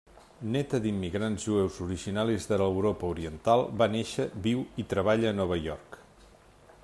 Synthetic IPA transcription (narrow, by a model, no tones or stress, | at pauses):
nɛt̪əd̪imːiɣɾanzʒuɛwzuɾiʒinalizðələwɾɔpəuɾiənt̪alˠbaneʃəβiwit̪ɾəβ̞aʎəːnɔβ̞əjɔrk